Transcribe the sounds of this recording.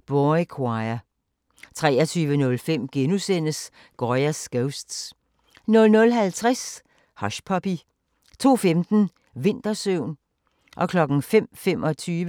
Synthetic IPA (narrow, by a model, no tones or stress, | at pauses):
b̥ɔkʰwɑɪɐ | t͡sʰʁɛːɐt͡sʰyːʋənɔ̽lfem̰ɡ̥enusen̰əs | ɡ̥ɒjæsɡ̥eʊsd̥s | nɔ̽lnɔ̽lɦælt͡sʰʁas | hɒ̽ɕpʰɒ̽pi | t͡sʰo̝̰ːfemd̥n̩ | ʋe̝n̰d̥ɐsøʊ̰n | ʔɒ̽kʰlɒ̽ɡ̥n̩fem̰femʔɒ̽t͡sʰyːʋə